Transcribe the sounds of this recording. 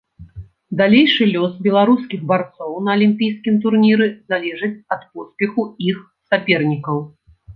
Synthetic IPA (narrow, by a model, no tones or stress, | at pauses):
d̪alʲejʂɨlʲɔsbʲɛlˠaɾuskʲiɣbart̪sɔwnɐɐlʲimʲpʲijskʲimt̪̬urnʲiɾɨzalʲɛʐɨt͡sʲɐt̪pɔspʲɛxuix | sapʲɛrnʲikɐw